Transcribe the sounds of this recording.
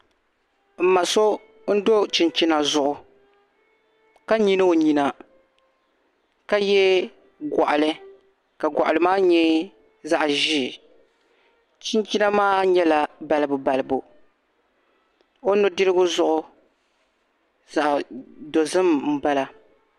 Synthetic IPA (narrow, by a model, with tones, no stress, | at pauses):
m̩˨ma˨so˦ | n̩˦do˦t͡ʃi˨nt͡ʃi˦na˨zʊ˨ʔʊ˨ | ka˦ɲi˦nɨ˦o˨ɲi˨na˨ | ka˦jɛ˦ | ɡɔ˨ʔa˨lɨ˦ | ka˨ɡʷa̰˨ʔa˨lɨ˨maː˦ɲɛ˦ | za˦ʔʒi˦˨ | t͡ʃɪ˦nt͡ʃi˦na˦maː˦ɲɛ˦la˨ba˨lɨ˦bʊ˨ba˨lɨ˨bu˨ | o˦nʊ˦dɨ˦ɾɨ˦ɡʊ˦zʊ˦ʔʊ˦ | za˨ʔdo˨zɨ˦mm̩˦ba˦la˨